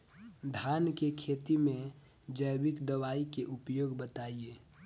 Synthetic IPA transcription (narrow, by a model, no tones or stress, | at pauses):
d̪ʱaːnkekʰeːt̪imẽ | d͡ʒəjbɪkd̪əwaːikeʔupjoːɡbət̪aieː